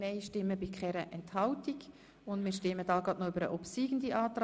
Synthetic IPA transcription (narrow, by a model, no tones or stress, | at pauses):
nɛɪʃtɪmːəbɪkχɛɾəʔɛnthɑwtiɡ | ʊndmɪːʃtɪmːəd̥ɑːɡɑtnoybəɾə̰ʔɔpsiːɡn̩diʔɑːt̪ɾ